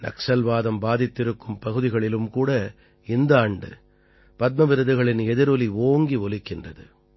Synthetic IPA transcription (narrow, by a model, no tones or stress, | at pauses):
nɐ̰ksɐlʋaːðɐmbaːðɪt̪ːɪɾɯkːɯmpɐɣɯðɪɣɐɭɪlɯmkuːɽɐ | ɪnd̪ɐːɳɖɯ̰ | pɐt̪̚mɐʋɪɾɯðɯɣɐɭɪnɛðɪɾɔlioːŋɡiʋɔlɪkːɪndrɐðɯ